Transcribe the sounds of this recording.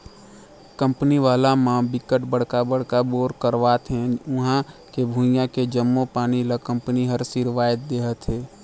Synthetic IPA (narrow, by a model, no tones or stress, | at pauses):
kə̃mpniʋaːlamãbɪkəʈbəɽ̤kabəɽ̤kaboːɾkəɾʋaːt̪ɦɛ̃ʊɦãkebʱũɪjãked͡ʒəmːopaːniləkə̃mpniɦəɾsiɾʋaːjət̪̚d̪eːɦət̪ɦɛː